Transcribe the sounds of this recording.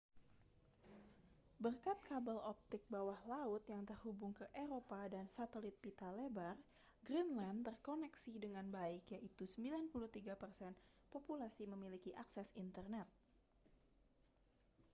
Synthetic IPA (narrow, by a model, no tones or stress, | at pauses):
bərkat̪̚kabalɔp̚t̪ɪk̚bawahlaʊt̪jaŋt̪ərhubʊŋkəʔeɾopadansat̪əlit̪̚pit̪alebar | ɡɾinlant̪ərkonɛksidəŋanbaikjaʔit̪usəmbilanpulut̪iɡapərsɛn | populasiməmilikiʔaksɛsint̪ərnɛt̪̚